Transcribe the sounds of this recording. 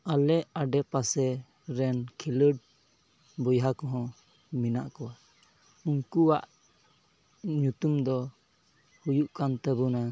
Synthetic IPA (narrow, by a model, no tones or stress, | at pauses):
alɛʔaɖɛpasɛ | ɾɛnkʰiləɖ̚ | bɔjɦakɔ̃ɦɔ̃ | mina̰ʔkɔwa | uŋkuwaʔ | ɲut̪umd̪ɔ | hujuʔkant̪əbuna